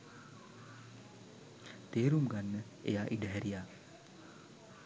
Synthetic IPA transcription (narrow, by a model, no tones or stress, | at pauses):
t̪eːɾumɡanːə | ḛjaːʔiɖəɦæɾijaː